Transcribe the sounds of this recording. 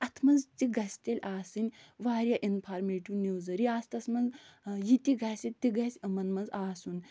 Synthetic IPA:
ɐt̪ʰmɐnzt̪iɡɐsʲt̪ʲelʲaːsɨnʲʋaːɾʲjaːʔinpʰaːɾmeːʈunewzɐɾiaːst̪ɐsmɐnzjit̪iɡɐsʲit̪iɡɐsʲɐmɐnmɐnzaːsun

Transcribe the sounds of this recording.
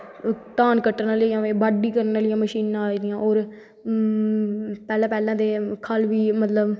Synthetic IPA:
t̪aːnkəʈːnaːljãːʋeːbaːɖiːkəɾnalɪjãːməʃiːnãːaːid̪ɪjãːʔoːɾ | pɛːlãːpɛːlãːd̪eːkʰəlʋiːmət̪ləb

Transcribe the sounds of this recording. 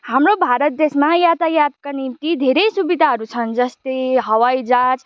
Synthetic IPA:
hamɾobʱaɾʌt̪̚d̪esmajat̪ajat̪kanimt̪id̪ʱeɾʌjsubid̪ʱaɦʌɾut͡sʰʌnd͡zʌst̪ejɦʌwʌjd͡zat͡s

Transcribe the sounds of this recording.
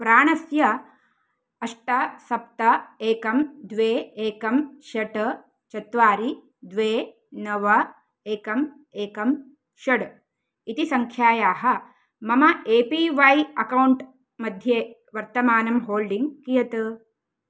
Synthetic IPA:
pɾaːɳɐsjɐ | ɐʂʈɐsɐp̚t̪ɐeːkɐmd̪ʋeːeːkɐmʃɐʈ | t͡ʃɐt̪ʋaːɾi | d̪ʋeː | nɐʋɐ | eːkɐm | eːkɐm | ʃɐɽ | it̪isɐŋkʰjaːjaːɦɐ | mɐmɐʔeːpiːʋɐjɐkɐwɳʈ | mɐd̪ʱjeːʋɐɾt̪ɐmaːnɐmɦoːlɖiŋɡkijɐt̪ɨ

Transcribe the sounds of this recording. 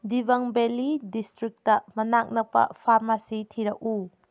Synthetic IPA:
dibɐŋbelidistɾik̚tɐmɐnak̚nɐpɐ̰pʰaɾmasitʰiɾɐk̚u

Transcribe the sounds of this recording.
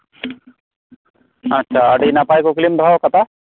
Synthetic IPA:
ɐtːʃʰaɐɖinapaːjkoklimd̪ʱaokɐt̪a

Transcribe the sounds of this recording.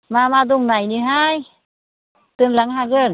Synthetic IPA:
maːmaːd̪uŋnajniɦaːj | t̪ɯnlaŋɦaːɣən

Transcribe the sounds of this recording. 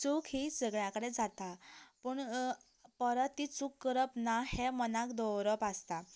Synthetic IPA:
t͡sukɦisəɡɭjãkəɽed͡zat̪apuɳ | pəɾət̪ːit͡sukːəɾəpnahemənakd̪ɔwɾəpast̪a

